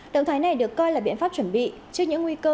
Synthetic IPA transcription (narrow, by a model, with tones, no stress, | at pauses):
ɗə̰˧˨ŋ͡mt̪ʰaː˨˦jna˨˩jɗɨ˨˩əkːɔ˧jlaː˨˩ɓḭ˧ənfaː˦˥p̚t͡ɕwə˧˩nɓḭ˧˨ | t͡ɕɨ˦˥əkɲɨ̰˧˥ŋwi˧kəː˧